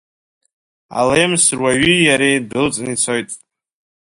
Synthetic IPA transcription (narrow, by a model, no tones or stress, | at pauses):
a̰lemsɨrwaɥijaɾejdɨlt͡sʼnit͡sʰo̞jtʼ